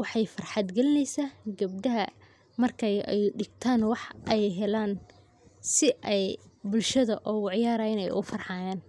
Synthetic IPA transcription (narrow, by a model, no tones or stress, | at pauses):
wɑħɑjfɐrħɑd̪ɡɐlɪnɛjsaːɡɐb̚d̪ɐɦɐ | mɐrkʰɛjɛ̰jɖɪɡt̪ʰaːnwɑħʔɛjɦɛlaːn | sɪʔɛjbʊlʃɐðɐʔɔːwɑʕjaːɾaːjɪnɛ̰jʊ̰fɐrħɑːjaːn